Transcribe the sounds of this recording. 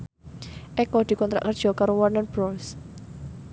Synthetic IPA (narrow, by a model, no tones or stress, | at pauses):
ʔɛkɔd̪̥i̤kɔnt̪ɾa̰ʔkərd̥ʒ̥ɔ̤kaɾowɔrnanb̥ɾɔls